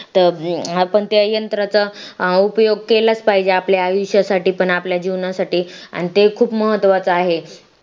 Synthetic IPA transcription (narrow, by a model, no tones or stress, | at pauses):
t̪əɾpəɳt̪eəjənt̪ɾat͡sə | upjoɡ̚kelat͡spaid͡ʑeapljaajuɕjasaʈiːpəɳapljad͡ʑiʋɳjasaʈiːa̰ñit̪ekʰuːpməɦət̪ːʋat͡səaɦe